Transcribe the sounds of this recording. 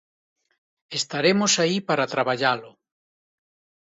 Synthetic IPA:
est̪aɾemosaipaɾat̪ɾaβaʎalo

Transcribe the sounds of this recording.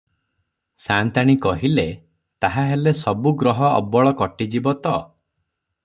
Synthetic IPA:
sant̪aɽ̃ikɔɦile | t̪aɦaɦelesɔbuɡɾɔɦɔɔ̰bɔɭɔkɔʈid͡ʒibɔt̪ɔ

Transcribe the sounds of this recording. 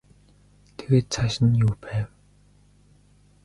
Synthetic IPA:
t̪ʰeɣeːt̪̚t͡sʰaʃɪ̆njuːpæːw

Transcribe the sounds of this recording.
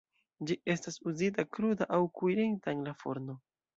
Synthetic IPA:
d͡ʒiʔe̞stasuzitakɾudaʔawkujɾiŋtaŋlafo̰ɾno

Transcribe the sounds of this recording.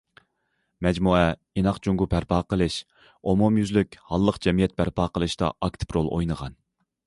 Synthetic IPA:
mɛd͡ʒmuɛ | inɑqd͡ʒuŋɡupʰæɾpʰɑːqəlˠɨʃ | omumjyzlykʲhɑlˠːəqd͡ʒɛmijɛt̪̚bæɾpʰɑːqəlˠɨʃt̪ɑ̰ʔɑk̚t̪ʰɨ̥pɾolˠʔo̰jnəʁɑ̰n

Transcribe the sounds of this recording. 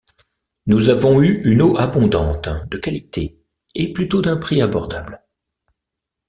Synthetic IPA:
nuzavɔ̃yynoʔabɔ̃d̪ɑ̃t̪d̪əkalit̪ʰe | eplyt̪od̪ɛ̃pχiabɔʁd̪abl

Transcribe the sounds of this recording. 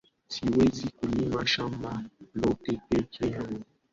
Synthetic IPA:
siwɛzikulimaʃambalɔtɛpɛkʰɛ

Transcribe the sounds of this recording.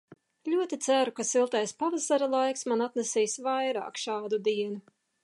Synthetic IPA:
lʲuɔt̪it̪sæɾukasilˠt̪ɛjspavasaɾalˠajksmanat̪nesiːsvajɾɑ̰ːkʃɑːd̪ud̪iɛnu

